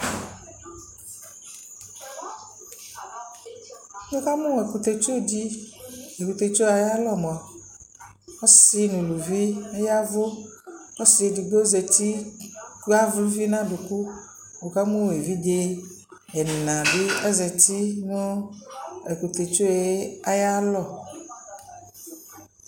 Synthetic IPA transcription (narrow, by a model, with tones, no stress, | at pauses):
o˦ka˦mũ˦˨e˨ku˨t̪e˨t͡ʃo˦˨d͡ʑi˦ | e˨ku˨t̪e˨t͡ʃo˦˨a˨ja˦lɔ˦m˨ɔ˨ | o˦si˦nũ˨lu˨vi˦e˦ja˦vo˦ | o˦si˨e˨di˨ɡ͡bo˦ze˨ti˦ | a˦vlu˦vi˦nã˦ɖu˨ku˦ | wo˨ka˦mũ˦˨e˨vi˦de˦ | ɛ˨nã˨bi˦ɛ˦ze˨ti˦nũ˦ | e˨ku˨t̪e˨t͡ʃo˦e˦a˦ja˦lɔ˦˨